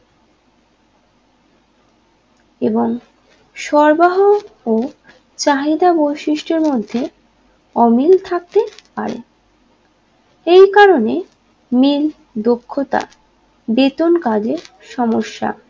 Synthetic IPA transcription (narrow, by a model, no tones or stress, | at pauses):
eboŋ | ʃɔɾbaɦoo | t͡ɕaɦid̪abojʃiʃʈeɾmod̪ʱːe | ɔmilt̪ʰak̚t̪epa̰ɾḛ | ejkaɾone | mil | d̪okʰːot̪a̰ | bet̪onkad͡ʑeɾ | ʃɔmoʃːa̰